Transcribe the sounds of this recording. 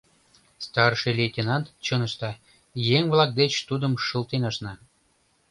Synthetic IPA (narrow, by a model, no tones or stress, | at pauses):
st̪ɑrʃelʲetʲenɑnt̪t͡ɕɤnəʃt̪ɑ | jeŋvlɑk̚d̪et͡ɕt̪ud̪əmʃəlt̪enɑʃnɑ